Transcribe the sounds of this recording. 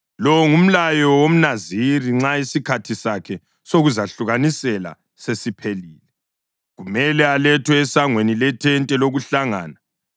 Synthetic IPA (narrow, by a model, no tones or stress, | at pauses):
lɔwŋum̩lajɔwom̩naziriŋ͡ǁaisikʰatʰisakʰɛ | soɣuzaɬuɣanisɛla̰ | sesipʰeliːlɛ | ɣumɛlɛalɛtʰwɛːsaŋwenilɛtʰɛntʼɛloɣuɬaŋa̰ːna